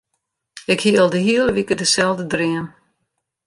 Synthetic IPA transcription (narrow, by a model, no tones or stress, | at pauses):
ɪkhiəlˠdəɦiələʋikədəsɛlˠdədriən